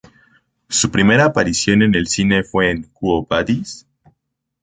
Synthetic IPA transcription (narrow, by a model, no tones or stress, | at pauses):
supɾime̞ɾaːpaɾisjo̞ne̞ne̞lsine̞fwe̞ːŋkuopaðis